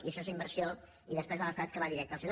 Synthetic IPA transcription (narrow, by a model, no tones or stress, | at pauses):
iəsesəimbərsio | iðəspɾezələst̪at̪̚kəβaðiɾɛk̚t̪əlˠse